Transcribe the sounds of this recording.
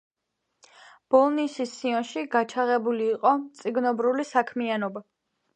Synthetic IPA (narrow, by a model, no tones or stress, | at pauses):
b̥ɔlˠnisisːiɔnʃiɡat͡ʃʰaʁɛbuliːqʼɔmt̪sʼiɡnɔbɾulisakʰmianɔba